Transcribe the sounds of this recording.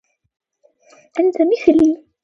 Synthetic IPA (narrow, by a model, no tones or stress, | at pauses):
ʔant̪amɪθliː